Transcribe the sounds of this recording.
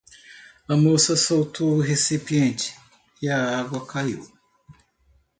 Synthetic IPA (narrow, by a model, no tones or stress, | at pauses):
amosɐsowt̪ʰuɦesipiẽnt͡ʃi̥ | jaaɡwakajṵ